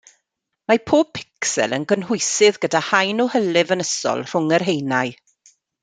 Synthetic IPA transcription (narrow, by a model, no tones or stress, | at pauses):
mapʰoːb̚pʰɪ̥ksɛ̰lˠə̰nɡənɦʊjsɪðɡədahajnɔhəlɪvənəsɔ̰lˠr̥ʊŋərɦejnaj